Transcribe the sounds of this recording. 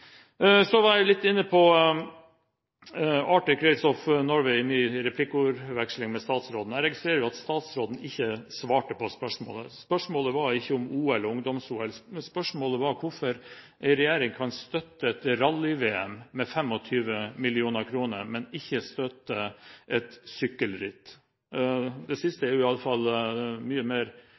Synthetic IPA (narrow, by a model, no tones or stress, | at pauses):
sɔʋɑɾæɪlɪt̪ːɪnːəpʰɔ | ɑːʈʏkʰɾɛɪsɔfnɔɾʋɛɪmyːɾɛpʰlɪkʊɾʋɛkʂlɪŋmɛst̪ɑːt̪sɾoːd̪n̩æɪɾɛɡɪst̪ɾeːɾəʋɪɑt̪st̪ɑːt̪sɾoːd̪n̩ɪçːəsʋɑːʈəpʰɔspœʂmo̰ːləspœʂmoːləʋɑɾɪçːəʊmuːɛlɔʊŋd̪ɔmsuːɛlspœʂmoːləʋɑɾkʰʊɾfɔɾ | ʔɛɪɾɛjeːɾɪŋkʰɑnst̪œt̪ːəɛt̪ɾɑlːɪʋeːɛmmɛfɛmɔt̪ʰyːʋəmɪlɪuːnəɾkʰɾuːnəɾmɛnɪçːəst̪œt̪ːəʔɛt̪sʏkːəlɾɪt̪ː | d̪ɛsɪst̪əæɾjʊɪɑlːəfɑlmyːəmeːɾ